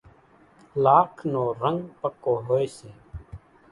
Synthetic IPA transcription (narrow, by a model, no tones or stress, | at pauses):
laːkʰnoːɾəŋɡpəkːoːɦoːiseː